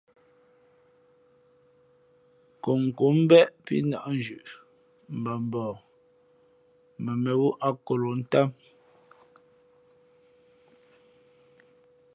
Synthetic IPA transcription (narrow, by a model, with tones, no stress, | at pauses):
ko˨ŋ̩˨ku˦m̩˦bɛ˦ʔpḭ˦na˨ʔn̩˨d͡ʒʉ˨ʔ | m̩˨ba˨m˨bɔː˨ | mɛ˨mɛ˨wu˦ʔa˦ko˨lo˨n̩˦ta˦m